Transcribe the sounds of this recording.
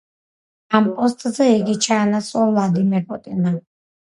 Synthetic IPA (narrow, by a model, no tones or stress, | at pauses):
ampʼɔst̪ʼzɛiɡit͡ʃʰaːnasʼwɔvlad̪imɛɾpʼut̪ʼina